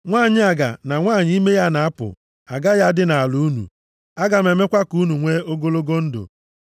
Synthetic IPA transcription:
ŋʷaː˦˨ɲɪ˦a˨ɡa̰˨na˨ŋʷaː˦˨ɲ˦i˦me˦ja˦na˨a˦pʊ̰˨ | a˨ɡa˦ja˦dɪ˦na˨lu˨˦u˦nṵ˨ | a˦ɡa˨m̩˨e˨me˦kʷa˦ku˦nu˨ŋʷe˦o˦ɡo˦lo˦ɡo˦n̩˦do̰˨

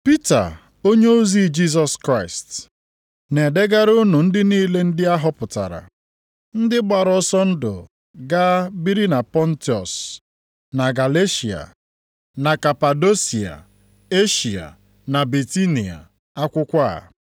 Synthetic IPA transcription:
pi˦ta̰˨ | o˦ɲe˦o˦zi˦d͡ʒi˦s̬ɔ˨skɾa˦ɪ˨st | ne˨de˦ɡa˦ɾʊ˦nu˨n̩˦dɪ˦niː˦le˦n̩˦dɪ˦a˦ɦɔ˦pʊ˨ta̰˨ɾa̰˨ | n̩˦dɪ˦ɡ͡ba˨ɾɔ˦sɔ˦n̩˦dʊ̰˨ | ɡa˦bi˦ɾi˦na˨pɔ˦n̩˦ti˨ɔ̰˨s | na˨ɡa˨le˦ʃi˨a̰˨ | na˨ka˨pa˨do˦si˨a̰˨ | e˦ʃi˨a̰˨ | na˨bi˨ti˦ni˨a̰˨ | a˦kʷʊ˦kʷa˦a̰˨

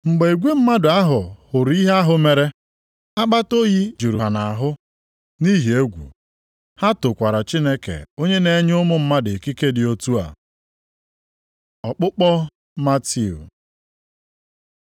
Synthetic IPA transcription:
ŋ͡m̩˨ɡ͡be˨e˨ɡʷe˦m̩˦ma˦dʊ˨a˦ɦʊ˨hʊ˨ɾi˦ɦe˦a˦ɦʊ˨me˨ɾe˦ | a˦k͡pa˦to˦ji˦d͡ʒu˨ɾu˨ɦa˨na˨ɦʊ˦ | ni˦ɦi˨e˦ɡʷṵ˨ | ha˦tʊ˨kʷa˨ɾa˨t͡ʃi˦ne˦kḛ˨o˦ɲe˦ne˦ɲ˦ʊ˦mʊ˦m̩˦ma˦dɪ˨ki˦ke˦dɪ˨o˦tu˦a̰˨ | ɔ˨k͡pʊ˦k͡pɔ˦ | ma˦ti˦ṵ˨

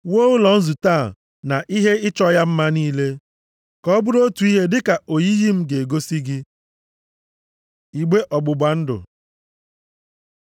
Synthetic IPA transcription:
wo˦ʊ˦lɔ˨n̩˦zu˨taː˦˨ | na˨ʔi˦ɦe˦ɪ˦t͡ʃɔ˦ja˦m̩˦ma˦niː˦le˦ | kɔ˦bʊ˦ɾo˦tu˨i˦ɦe˦dɪ˦ka˨o˨ji˦ɣi˦m̩˦ɡe˨ɡo˦si˦ɡɪ˦ | i˨ɡ͡be˦ʔɔ˨ɡ͡bʊ˨bʷa˨n̩˦dʊ̰˨

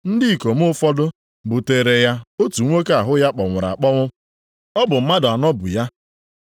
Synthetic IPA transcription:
n̩˦dɪ˦i˨ko˨m̩˦ʊ˦fɔ˦dʊ˦ | bʊ˨te˨ɾe˨ja˦o˦tu˨˦ŋʷe˦ke˦a˨ɦʊ˦ja˦k͡pɔ˨ŋʷʊ˨ɾa̰˨a˨k͡pɔ˦ŋʷʊ˦ | ɔ˦bʊ˨m̩˦ma˦dʊ˨a˨nɔ˦bʊ̰˨ja˦

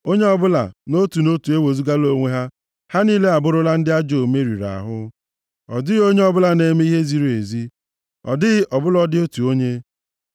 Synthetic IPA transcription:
o˦ɲe˦ɔ˦bʊ˦la̰˨no˦tu˨no˦tu˨e˦wo˨zu˦ɡa˦lo˦ŋʷe˦ɦa˦ | ha˦niː˦le˦a˨bʊ˦ɾʊ˦la˦n̩˦dɪ˦a˦d͡ʒo˨me˦ɾḭ˨ɾa̰˨ɦʊ˦ | ɔ˨dɪ˦ɣo˦ɲe˦ɔ˦bʊ˦la˨ne˦me˦i˦ɦe˦zi˦ɾe˨zi˦ | ɔ̰˨dɪ˦ɣɪ˦ʔɔ˨bʊ˦lɔ˦dɪ˦o˦tu˨o˦ɲe˦

